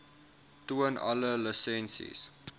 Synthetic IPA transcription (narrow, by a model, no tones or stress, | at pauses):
tuənʔɐ̰lələsɛnsḭs